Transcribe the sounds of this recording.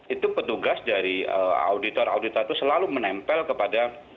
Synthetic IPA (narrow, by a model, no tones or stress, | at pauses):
it̪upət̪uɡasdaɾiəa̰udit̪ɔraudit̪ɔt̪usəlalumənɛmpɛlkəpada